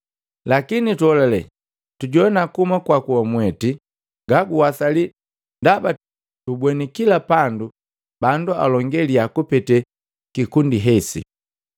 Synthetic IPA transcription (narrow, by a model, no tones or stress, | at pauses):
lakinituɔlalɛ | tuɟɔɛnakumakwakuɔmwɛti | ɡaɡuwasali | ndaba | tubwɛnikilapandu | bandua̰lɔŋɡɛliakupɛtɛ | kikundiɦɛsḭ